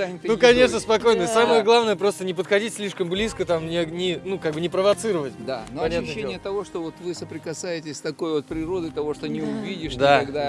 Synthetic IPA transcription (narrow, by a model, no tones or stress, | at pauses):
aɪnukɐnʲe̞ʂ̬nəspɐko̞jnəsaməjəɡlˠavnəjəpɾo̞st̪ənʲɪpət̪xɐdʲitʲsʲlʲiʂkəmblʲiskət̪amnʲɪnʲɪnukaɡ̚bɨnʲɪpɾəvɐt̪sɨɾəvətʲd̪anoɐpɐnʲat̪ːnəːenɪjət̪ɐvo̞ʂt̪ovot̪vɨsəpɾʲɪkɐsajɪtʲɪsʲt̪ɐko̞jvo̞t̪̚pɾʲɪɾo̞d̪ɨt̪ɐvo̞ʂt̪onʲɪʊvʲidʲɪʂd̪aɐɡd̪a